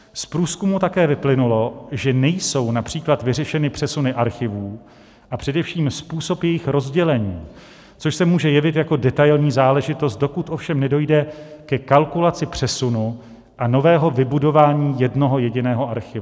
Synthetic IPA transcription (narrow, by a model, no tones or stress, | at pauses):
spɾuːskumut̪akɛːvɪplɪnulo̞ʒɛnɛjso̞wnapr̝̥iːklat̪vɪrɛʃɛnɪpr̥ɛsunɪʔaɾxɪvuː | ʔapr̝̥ɛdɛfʃiːmspuːso̞pjɛjɪxɾo̞zɟɛlɛɲiː | t͡soʃsɛmuːʒɛjɛvɪt̪jako̞dɛt̪ajlɲiːzaːlɛʒɪt̪o̞st̪̚do̞kut̪ʔo̞fʃɛmnɛdo̞jdɛkɛkalkulat͡sɪpr̝̥ɛsunu | ʔano̞vɛːɦo̞vɪbudo̞vaːɲiːjɛdno̞ɦo̞jɛɟɪnɛːɦo̞ʔaɾxɪv